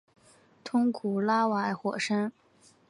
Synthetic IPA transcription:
t̪ʰʊ˥ŋkʰu˨˩la˥wa˧˥ɪxwɔ̰˨˩ʂə˥n

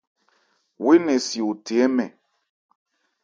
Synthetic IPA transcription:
we˦nɛ˨si˨u˨te˨ɛ˦mɛ˨

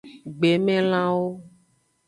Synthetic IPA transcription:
ɡ͡be˨mɛ̃˦l̃ã˦wo˦

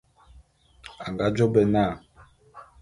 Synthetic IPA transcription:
a˨ŋɡa˨˦d͡ʒɔ˦bɛ˦˨naː˦˨

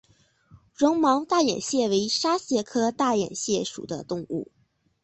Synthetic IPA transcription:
ɻɤ˧˥ŋmɑ˧˥ŋt̪a˥˩jɛ̰˨˩nɕjɛ˥˩we˧˥ɪʂa˥ɕjɛ˧˥kʰɤ˥t̪a˥˩jɛ̰˨˩nɕjɛ˥˩ʂṵ˨˩d̪ə̰˦t̪ʊ˥˧ŋṵ˥˩

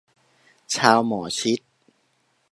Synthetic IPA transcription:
t͡ɕʰaː˧wmɔː˩˦t͡ɕʰi˦˥t̪̚

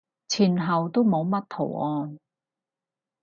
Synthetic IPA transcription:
t͡sʰiː˨˩nɦɐ˨wt̪o˥wmo˨˧˥wmɐ˥t̚t̪ʰo̰˨˩wʔɔː˧n

